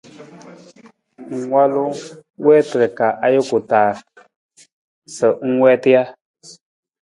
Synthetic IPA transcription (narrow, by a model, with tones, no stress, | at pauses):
ŋ̩˨wa˦lʊ˦wɛː˦tə˨ɾə˨ka˨ʔa˦jo˦kʊ˨taː˨ | sə˨˦ŋ̩˦wɛː˦tɪ˦ja˦